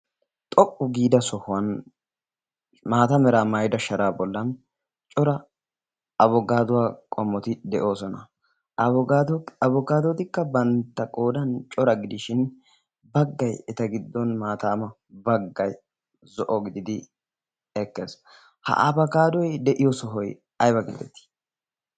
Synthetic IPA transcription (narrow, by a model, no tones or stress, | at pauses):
t̪ʼɔkʼːʊɡiːd̪ɐsɔhʊwɐn | maːt̪ɐmɛɾaːmɐjd̪ɐʃɐɾaːbɔlːɐn | t͡ʃʼɔɾɐ | ɐbɔɡaːd̪ʊwaːkʼɔmːɔt̪ɪd̪ɛʔo̞ːsɔnɐ | ɐd̪ɐbɔɡaːd̪ɔt̪ɪkːɐbɐnt̪ːɐkʼo̞ːd̪ɐnt͡ʃʼɔɾɐɡɪd̪ɪʃɪn | bɐɡːɐjɛt̪ɐɡɪd̪ːɔnmaːt̪aːmɐ | bɐɡːɐj | zɔʔɔɡɪd̪ɪd̪ɪ | ɛkːḛːs | hɐ̰ʔɐbɐɡaːd̪ɔjd̪ɛʔɪjɔsɔɦɔj | ɐjbɐɡɪ̰d̪ːɛt̪ːi̥